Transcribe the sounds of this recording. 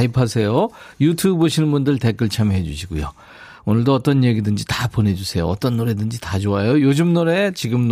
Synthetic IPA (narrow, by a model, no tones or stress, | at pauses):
ipʰasʰe̞jojutʰubboɕʰinɯnbundɯɭte̞k͈ɯɭt͡ɕʰamjoɦe̞d͡ʑuɕʰiɡujo̰ | onɯɭdoʌt͈ʌnjeɡidɯnd͡ʑitapone̞d͡ʑusʰe̞jo̰ʌ̰t͈ʌnːoɾe̞dɯnd͡ʑitat͡ɕoajojod͡ʑumnoɾe̞t͡ɕiɡɯmn